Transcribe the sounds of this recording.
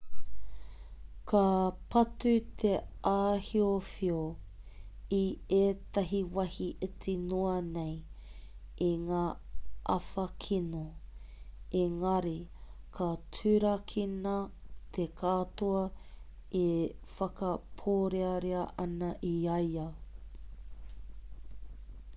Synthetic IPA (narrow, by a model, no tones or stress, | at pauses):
kʰɐpɐtʉt̪ʰeʔaːhiofio | ieːt̪ɐɦiwɐhiʔetinoɐnej | iŋaːʔɐ̰fɐkʰino | eŋɐɾikʰɐtʰʉɾɐkʰinɐt̪ʰekʰaːtoɐ | efɐkɐpʰoːɾeɐɾeɐʔɐnɐʔiɐjɐ